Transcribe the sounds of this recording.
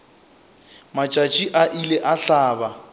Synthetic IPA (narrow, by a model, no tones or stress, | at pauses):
mat͡ʃʼat͡ʃʼiʔaʔileʔaɬaːba